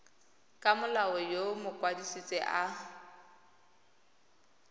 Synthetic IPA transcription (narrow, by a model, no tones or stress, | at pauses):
kʼamʊlaɔjomʊkʼwadisit͡sʼɪʔa